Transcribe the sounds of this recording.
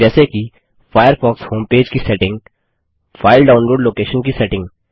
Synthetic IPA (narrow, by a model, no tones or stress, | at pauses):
ɛːseki | fʰaːjəɾfɔːkshõːmpeːd͡ʒkisɛːʈɪ̃ŋɡ | fʰaːɪlɖaːʊ̃nɾoːɖloːkeːʃənkisɛːʈɪ̃ŋɡ